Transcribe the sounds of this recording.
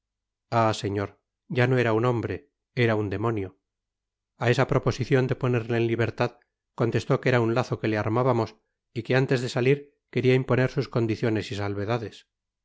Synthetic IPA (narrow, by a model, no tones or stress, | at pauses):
ase̞ɲo̞ɾ | ɟ͡ʝano̞e̞ɾauno̞mbɾe̞ | e̞ɾaund̪e̞mo̞njo | ae̞sapɾo̞po̞siθjo̞nd̪e̞po̞neɾleːnliβe̞ɾt̪að | ko̞nt̪e̞st̪o̞keɾaunlaθo̞ke̞leaɾmaβamo̞s | ike̞ant̪e̞zðe̞saliɾ | ke̞ɾiaimpone̞ɾsusko̞nd̪iθjo̞ne̞sisalβe̞ðaðe̞s